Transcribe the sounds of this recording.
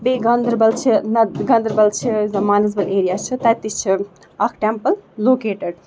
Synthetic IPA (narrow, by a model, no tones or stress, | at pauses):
beːɡɐnd̪ɾbɐlt͡ʃʰinɐɡɐnd̪ɾbɐlt͡ʃʰizɐmaːnɐzbɐleːɾijat͡ʃʰit̪ɐt̪ːit͡ʃʰi | ɐkʰʈempɐlːoːkeːʈɐɖ